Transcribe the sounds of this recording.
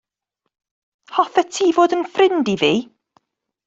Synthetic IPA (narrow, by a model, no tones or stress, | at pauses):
hɔfɛtʰiːvoːdənfrɪndiviː